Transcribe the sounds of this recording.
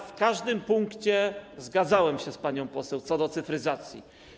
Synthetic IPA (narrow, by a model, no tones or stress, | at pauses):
fkaʐd̪ɘmpuŋkt͡ɕɛzɡad̪zawɛmɕɛspaɲɔ̃w̃pɔsɛwt̪sɔd̪ɔt̪sɘfɾɘzat̪sʲjḭ